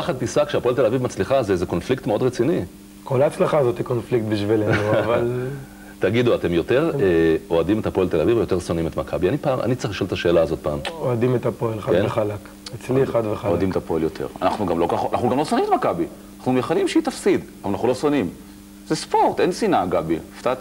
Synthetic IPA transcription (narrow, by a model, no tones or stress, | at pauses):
aχat̪pisakʃeapo̞elt̪elavivmat͡sliχazeezeko̞nflik̚t̪meo̞d̪ʁet͡sini | kʰolat͡slaχazot̪ikonflikt̪biʃvilenuval | t̪aɡid̪uat̪e̞mjo̞t̪e̞ʁeo̞adimetapoelt̪elavivejo̞t̪e̞ʁso̞nimet̪makʰabianipaːmʔa̰nitt͡saiχliʃo̞let̪aʃe̞ːlaːzo̞t̪̚paːmoad̪imet̪apoelχakeveχalak | et͡sliead̪veχaoadimet̪apo̞eljot̪ʰḛʁa̰na̰χnuɡamlokaχanaχnuɡamlo̞sonimet̪makabi | naχnumχalimʃeit̪afsid̪valanaχnulo̞sonim | zespo̞ʁt̪ensinaɡabift̪at̪